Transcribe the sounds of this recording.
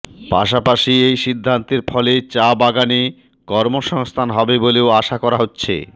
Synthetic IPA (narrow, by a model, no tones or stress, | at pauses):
pa̰ʃapaʃiejʃid̪ʱːant̪eɾfʰɔlet͡ɕabaɡane | kɔɾmoʃɔŋst̪ʰanɦɔbeboleoaʃakɔɾaɦotːɕʰḛ